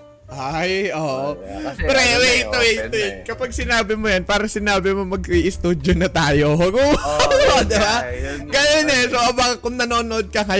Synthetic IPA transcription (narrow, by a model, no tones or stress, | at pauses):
ʔajʔoːʔpɾɛwɛt̪ʊit̪ʊɪkɐpaɡ̚sɪnaːbɪmojɐnpaːɾɐsɪnaːbɪmomɐɡiʔɪst̪uːd̪jonɐt̪aːjoɦɐɡuːɐd̪ɪbaɡɐjonɛsoʔɐbakɐkʊŋnɐnoːnoʔod̪̚kɐŋɐ